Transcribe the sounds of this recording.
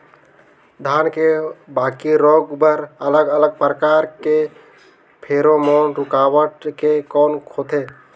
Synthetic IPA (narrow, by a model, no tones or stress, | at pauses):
d̪ʱaːnkebakiɾoːɡbəɾələɡələɡ̚pɾəkaːɾke | pʰeɾomɔːnɾukawəʈkekɔːnkʰot̪ʰe